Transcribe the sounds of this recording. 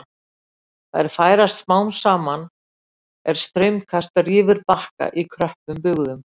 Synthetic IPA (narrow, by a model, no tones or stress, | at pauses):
θaðɛɾ̥faːjɾast̪smaːwnsaːman | ɛɾ̥st̪ɾʏɥmkʰast̪ariːvɪɾpahka̰ʔikʰɾœhpʏmpʏɣðʏm